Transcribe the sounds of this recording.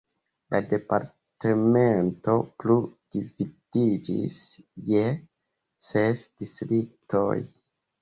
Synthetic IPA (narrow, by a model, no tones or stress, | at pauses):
lʔade̞paɾ | temento̞plud̥ivid̥id͡ʒḭsje | sesd̥istɾik̚tʰo̰j